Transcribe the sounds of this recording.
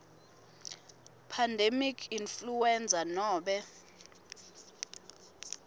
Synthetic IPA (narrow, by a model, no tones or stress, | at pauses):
pʰandʱemikʰinfluwɛnd͡zʱanɔːɓɛ